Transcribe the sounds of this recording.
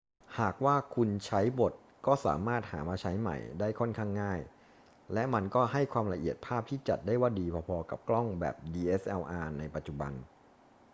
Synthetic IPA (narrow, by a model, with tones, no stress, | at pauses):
haː˨˩k̚waː˥˩kʰu˧nt͡ɕʰa˦˥jbo˨˩t̪̚ | kɔː˥˩sa̰ː˩˦maː˥˩t̪̚ha̰ː˩˦maː˧t͡ɕʰa˦˥jma̰˨˩jdaː˥˩jkʰɔ˥˩nkʰaː˥˩ŋːaː˥˩j | lɛ˦˥ma˧nkɔː˥˩ɦa˥˩jkʰwaː˧mla˧ʔi˨˩ət̪̚pʰaː˥˩p̚t̪ʰiː˥˩t͡ɕa˨˩t̪̚daː˥˩jwaː˥˩diː˧pʰɔː˧pʰɔː˧ka̰˨˩p̚klɔ˥˩ŋbɛ̰ː˨˩p̚diː˧ʔe˦˥sʔɛ˧wʔaː˧na˧jpa˨˩t̪̚t͡ɕu˨˩ba̰˧n